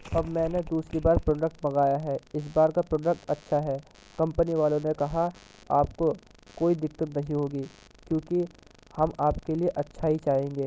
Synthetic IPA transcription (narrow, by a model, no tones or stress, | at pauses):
ɐbmɛ̃ːned̪uːsɾibaːɾpɾoːɖək̚ʈ̚bɐɡaːjaɦɛːɪs̬baːɾkapɾoːɖək̚ʈɐtːʃʰaɦɛː | kɐ̃mpəniʋaːlõnekɐɦaaːp̚kokoːid̪ɪkːət̪nɐɦĩɦoːɡiː | kjõːki | hɐmaːpkelieʔɐtːʃʰaːɦit͡ʃaːɦẽːŋɡeː